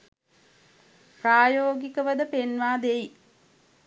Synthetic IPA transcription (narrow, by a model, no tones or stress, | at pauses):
praːjoːɡikəʋəd̪əpenʋaːd̪eji